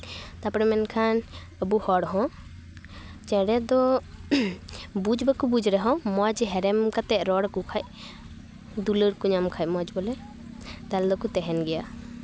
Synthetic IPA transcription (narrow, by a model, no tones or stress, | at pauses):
t̪apɔɽɛmɛnkʰan | əbuhɔɽɦɔ̃ | t͡ʃɛɽɛd̪ɔ | bud͡ʒbəkubud͡ʒɾɛɦɔ̃mɔd͡ʒɦɛɾɛmkat̪ɛʔ̚ɾɔɽkukʰaʔ | d̪uləɾkuɲamkʰaj̚mɔd͡ʒbɔlɛ | t̪ald̪ɔkut̪ɛɦɛnɡɛja